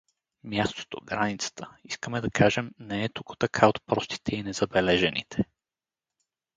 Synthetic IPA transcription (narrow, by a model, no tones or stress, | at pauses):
mʲjast̪o̥t̪o̰ɡɾanit̪sə̥t̪ə̥iskəmɛd̪ɐkʰaʒɛmnɛɛt̪ukʊ̥t̪ɐkʰaot̪pɾɔst̪i̥t̪ʰɛinɛzɐbɛlɛʒɛnḭt̪ʰɛ̥